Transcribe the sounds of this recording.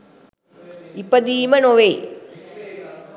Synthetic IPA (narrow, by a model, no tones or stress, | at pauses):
ipːɐd̪iːmɐnoʋe